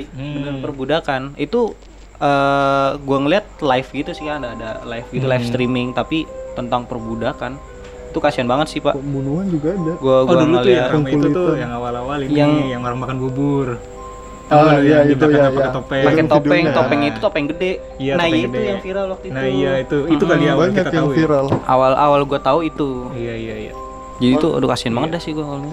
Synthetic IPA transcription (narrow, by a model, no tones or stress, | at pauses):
mənanpərbudakanit̪u | əɡuaŋəliat̪̚lajfɡit̪usɪhkadaːdalajfɡit̪ulajfst̪ɾimɪŋt̪apit̪ənt̪aŋpərbudakan | it̪ukasianbaŋət̪sɪhpa̰ʔbunuɦand͡ʒuɡaːdaɡuaɡaduləlijatuŋulut̪ujaŋawalawalijaŋjaŋmərəmakanbubʊr | ajait̪aujaajaket̪opɛpakɛt̪opɛŋt̪opɛŋɲait̪u̥t̪oapaŋɡədɛ | janahijaid̪ujaŋfiɾalwak̚t̪uinaijait̪uiukaliawikət̪afiɾalʔa̰wala̰walɡuat̪auit̪uijaijaija̰ | d͡ʒadit̪ṵdukasianbaŋət̪̚dasɪɡuaalu